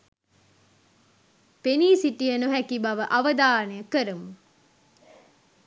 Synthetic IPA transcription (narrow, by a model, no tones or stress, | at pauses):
peniːsiʈijɐnuɦækibɐʋəʔɐʋɐd̪aːnejəkəɾumu